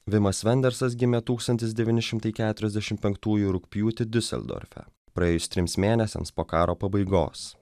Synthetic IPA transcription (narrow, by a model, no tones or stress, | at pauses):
ʋʲɪmɐsʋʲɛnʲd̪ʲɛɾsɐs̬ɡʲɪmʲɛt̪uːkst̪ɐnʲt̪ʲɪsd̪ʲɛʋʲiːnʲɪʃʲɪmt̪ɐɪkʲæːt̪ʊɾʲɛzʲd̪ʲɛʃʲɪmpʲɛŋkt̪uːjʊɾʊkpʲjuːt̪ʲɪd̪ʲʊsʲɛ̰lʲd̪o̰ːɾʲfʲɛ̰ | pɾɐeːjʊst̪ʲɾʲɪmsmʲeːnʲɛsʲɛ̰mspoːkɑːɾoːpɐbɐɪɡo̰ːs